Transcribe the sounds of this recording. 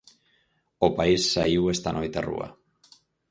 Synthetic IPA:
opaisːaiwest̪anʔo̞jt̪erṵa̰

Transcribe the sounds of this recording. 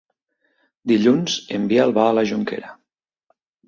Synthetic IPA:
d̪iʎunzəmbiaəlˠβaːləʒuŋkḛɾə

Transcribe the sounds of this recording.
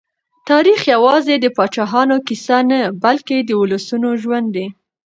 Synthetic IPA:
t̪ɑɾixjawɑzed̪əpɑt͡ʃɑɦɑnokisanabalked̪əʊləsunoʒwand̪ːe

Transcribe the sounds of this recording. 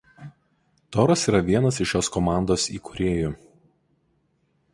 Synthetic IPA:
t̪ɔːɾɐsiːɾɐʋʲiɛnɐsɪʃjoːskɔmɑˑnd̪oːsḭːkʊ̥ɾʲeːjʊ

